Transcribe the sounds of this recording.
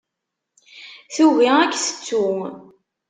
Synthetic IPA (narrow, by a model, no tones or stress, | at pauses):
θuviækːθə̥t͡sːu